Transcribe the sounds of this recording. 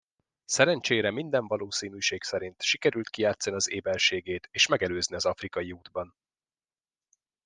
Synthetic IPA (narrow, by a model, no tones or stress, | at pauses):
sɛɾɛnt͡ʃeːɾɛmind̪ɛɱvɒloːsiːnyːʃeːksɛɾint̪ʃikɛɾylt̪̚kijaːt̪sɒniɒzeːbɛlʃeːɡeːt̪eːʃmɛɡɛløːzniɒzɒfrikɒjiuːd̪bɒn